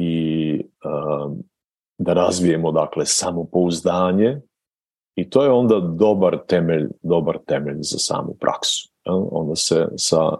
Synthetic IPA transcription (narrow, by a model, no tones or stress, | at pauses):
i | ə | d̪aɾazʋijemo̞d̪aklesamopo̞uzd̪aːɲe̞ | it̪oːjeo̞nd̪ad̪o̞baɾt̪e̞meʎd̪o̞baɾt̪e̞meʎzasa̰ːmṵpɾʔa̰ksu̥jɛlˠo̞̰nd̪asḛsa̰